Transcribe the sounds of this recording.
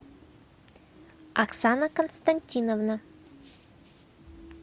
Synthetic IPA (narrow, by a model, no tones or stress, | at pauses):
ɐksanəkənst̪ɐnʲtʲinovna